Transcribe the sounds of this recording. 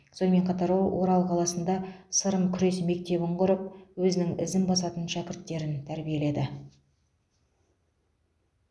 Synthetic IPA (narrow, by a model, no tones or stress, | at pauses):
so̞nme̞ɴqʰɑt̪ɑɾwolˠwʔo̞ɾɑlˠqʰɑlˠɑsənd̪ɑsəɾəmkʲʰʏɾe̞sme̞k̚t̪e̞bɪɴqʊɾəp̚wɵzɪnɪŋɪ̰zɪnbɑsɑt̪ənʃækʲɪɾt̪ːe̞ɾɪnt̪ʰæɾbije̞le̞d̪ɪ